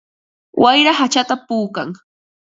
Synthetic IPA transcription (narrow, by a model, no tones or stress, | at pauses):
wʔajɾahat͡ʃat̪apuːka̰ŋ